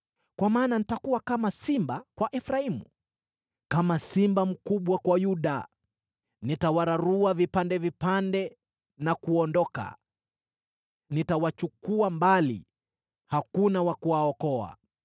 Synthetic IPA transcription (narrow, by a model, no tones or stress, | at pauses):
kwamaːnanitakuwakamasimbakwaʔɛfɾaimṵ | kamasimbam̩kuɓwakwajuɗa | nitawaɾaɾuavipandɛvipandɛ | nakuɔndɔka̰ | nitawat͡ʃukuambalḭ | hakunawakuwaɔkɔa̰